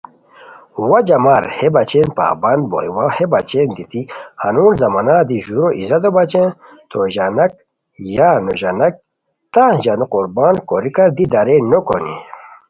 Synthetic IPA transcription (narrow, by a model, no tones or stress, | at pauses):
wɐd͡ʑɐmaɾhebat͡ɕenpa̰ːbɐnd̪̚bo̰iwahebat͡ɕend̪it̪ihanuːnzɐmanaːd̪iʑuɾoʔizɐd̪obat͡ɕẽ | t̪ʰoʑanɐk̚ | jaːnoʑanɐk̚ | t̪aʑanuquɾbaːnkoɾikɐɾd̪id̪aɾenoko̰nḭ